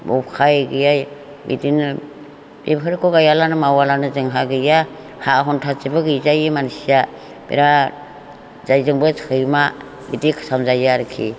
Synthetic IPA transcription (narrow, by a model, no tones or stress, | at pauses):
bɔkʰajɡɯjaj | bḭdin | bḛbɦɯɾkʰɔɡajalanɯmawalanɯzɯŋɦaɡɯja | haɦɔntʰat͡ʃibɯɡɯzajɯmansija | b̥ḛɾa | zajzɯŋbɯskʰɯjma | bḭdikʰɯ̥samzajaɾɯkʰḭ